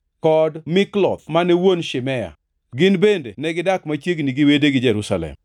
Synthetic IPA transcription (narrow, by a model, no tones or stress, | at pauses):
kɔdmɪklɔ̰t̪̚manɛwonʃɪmɛja̰ | ɡɪnbendenɛɡɪdakmat͡ʃjeɡniɡiwedeɡɪd͡ʒɛɾusalɛ̰m